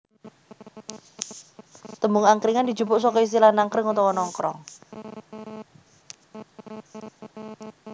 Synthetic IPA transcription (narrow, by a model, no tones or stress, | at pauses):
t̪əmuŋaŋkɾiŋandi̥d͡ʒubʊʔsɔkɔis̬t̪ilanaŋkɾɪŋɔt̪ɔwɔnɔŋkɾɔŋ